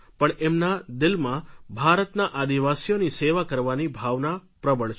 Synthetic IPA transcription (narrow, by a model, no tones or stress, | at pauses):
pəɳemnad̪ɪlmãbʱaɾət̪naʔad̪iʋasijoniseʋakəɾʋanibʱaʋnapɾəbəɭt͡ʃʰ